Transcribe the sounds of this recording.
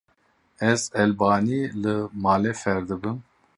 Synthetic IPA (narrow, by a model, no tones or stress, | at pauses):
ɛzɛlbaːniːlɨmaːlɛfɛɾd̪ɨbɨm